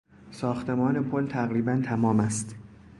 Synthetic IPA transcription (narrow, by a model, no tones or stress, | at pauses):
sɒːxt̪ʰe̞mɒːne̞pʰolt̪ʰæɣɾiːbænt̪ʰæmɒːmæst̪